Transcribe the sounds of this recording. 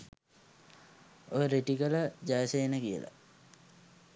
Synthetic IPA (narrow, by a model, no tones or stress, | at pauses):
ojəɾeʈikələd͡ʑajsejenəkijə̰la̰